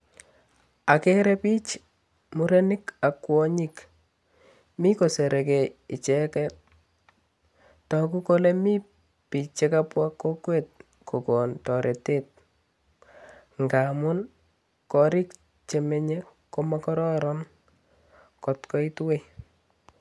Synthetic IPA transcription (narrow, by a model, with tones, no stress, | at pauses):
a˨ke˦ɾɛpi˦t͡ʃ | muɾenɪ˦ka˨kwɔɲi˦k | mi˦ko˨se˨ɾe˨keɪ˨t͡ʃɛ˦kɛt | tɔ˨ku˦ko˦lemi˦ | pi˨t͡ʃːe˦kapwakːo˦kwe˦t̚ | ko˨kɔ˨ntɔ˨ɾʔe˨te˦t̚ | ŋɡa˨mʊn | kɔ˨ɾi˦k | t͡ʃemeɲeko˦makɔɾɔ˦ɾɔn | kɔ˨tkɔ˦itwe˦